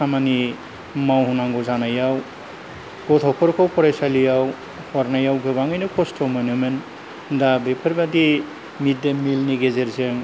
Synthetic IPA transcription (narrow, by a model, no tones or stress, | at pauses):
samani | mawhunaŋɡɔzanajaw | ɡ̥ɔt̪ʰɔpʰɔɾkʰɔwpʰɔɾajsalijaw | hʰɔɾnajawɡɯβaŋɯjnɯkʰɔstʰɔmɔnumen | dabepʰɯɾbadi | midemilniɡezeɾzeŋ